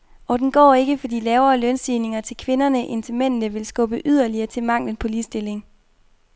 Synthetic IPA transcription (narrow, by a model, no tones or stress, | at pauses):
ɒd̥en̩ɡ̥ɒ̰ːe̝ɡ̥əfɒ̽d̥ḭːlɛːʊɐːlœnsdiːne̝ŋɐt͡sʰe̝lkʰʋe̝nɐnəʔe̝nt͡sʰemen̰nəʋe̝lsɡ̥ɔ̽b̥əʔyð̰ˠɐliɐːt͡sʰe̝lmɑ̈ŋ̰lən̩pʰɒ̽liːsd̥e̝le̝ŋ